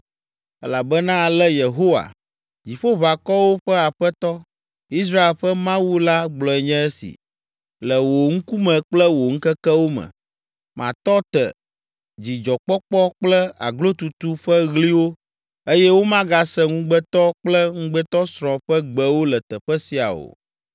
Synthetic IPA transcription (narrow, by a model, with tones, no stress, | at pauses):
ɛ˦la˨bɛ˦nã˦˨lɛ˦je˨ɦo˦wa̰˨ | d͡ʑi˨ɸo˦βa˨kɔ˦wo˦ɸɛ˦a˨ɸɛ˦t̪ɔ˦ | i˦s̬ɾa˦e˨lɸɛ˦mã˦wu˦la˦ɡ͡blɔ˨ɛ˨ɲɛ̃˦e˦sḭ˨ | lɛ˨wo˨ŋ̩˦ku˦mɛ̃˨k͡plɛ˦wo˨ŋ̩˦kɛ˦kɛ˦wo˦mɛ̰̃˨ | mã̰˨t̪ɔ˦t̪ɛ̰˨ | d͡ʑi˨d͡ʒɔ˨k͡pɔ˦k͡pɔ˦k͡plɛ˦a̰˨ɡlo˦t̪u˨t̪u˦ɸɛ˦ɣli˦wo˦ | e˦jɛ˦wo˦mã˦ɡa˨sɛ˦ŋũ˦ɡ͡bɛ˦t̪ɔ˦k͡plɛ˦ŋũ˦ɡ͡bɛ˦t̪ɔ˦sɾɔ̃˨ɸɛ˦ɡ͡bɛ˨wo˦lɛ˨t̪ɛ˨ɸɛ˦si˦a̰˨o̰˨